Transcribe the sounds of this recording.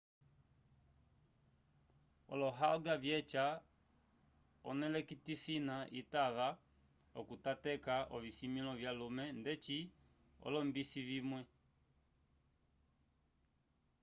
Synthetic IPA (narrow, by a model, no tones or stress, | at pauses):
ɔ̰lɔɦaɔɡavjɛt͡ʃa | ɔnɛlɛkitisinaʔitaʋa | ɔ̰kutatɛkaʔɔvisimilɔvjalumɛndɛt͡ʃi | ɔ̰lɔmbisivimwɛ